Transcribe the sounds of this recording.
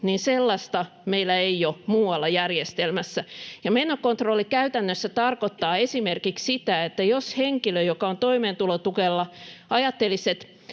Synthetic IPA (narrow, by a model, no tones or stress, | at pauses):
niːnselːɑst̪ɑ | meilːˑæeijomuːwɑlːɑjærjest̪elmæsːæjɑmenːokont̪rolːikæyt̪ænːøsːæt̪ɑrkot̪ːɑːesimerkikssit̪æet̪ːæjosheŋkiløjokɑont̪oimeːnt̪ulot̪ukelːɑɑjɑt̪ːeliset̪